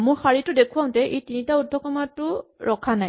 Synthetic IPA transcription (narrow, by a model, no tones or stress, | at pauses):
mʊɹxaɹitʊdekʰuwãʊ̃tɛʔejtinitaudʱɔkɔmatʊɹɔkʰanaj